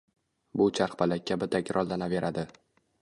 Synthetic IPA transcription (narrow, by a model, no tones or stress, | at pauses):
bʊt͡ʃʰaqbalakʲːabɪt̪ʰakʲɾʔɒlˠd̪anave̞ɾʔad̪ɪ